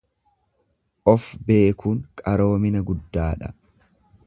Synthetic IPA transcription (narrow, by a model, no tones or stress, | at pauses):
ʔɔfbe̞ːkuːŋkʼɐɾo̞ːmɪnɐɡʊd̪ːaːᶑɐ